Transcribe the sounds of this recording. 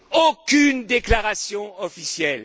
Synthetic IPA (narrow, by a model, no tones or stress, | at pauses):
okʲynd̪eklaʁasjɔ̃ɔfisjɛl